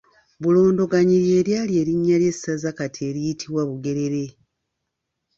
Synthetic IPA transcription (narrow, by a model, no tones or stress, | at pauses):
βulo̞ːndo̞ɡaɲiɾje̞ːɾjaːlje̞ːɾiɲːalje̞sːazakatie̞ɾijitʰiβwaβuɡe̞ɾe̞ɾe̞